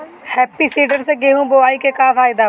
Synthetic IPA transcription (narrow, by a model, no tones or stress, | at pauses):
hɛːpisiːɖəɾseɡeːɦũːboaːiːkekaːfʰaːɪd̪aː